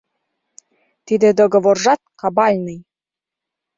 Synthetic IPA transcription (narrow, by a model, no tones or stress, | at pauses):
t̪id̪ĕd̪oɣŏvorʒɑt̪̚kɑbɑlʲnɯj